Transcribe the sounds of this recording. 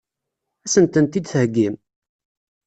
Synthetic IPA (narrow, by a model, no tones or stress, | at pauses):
æsənt̪ənt̪id̪θəhɡːim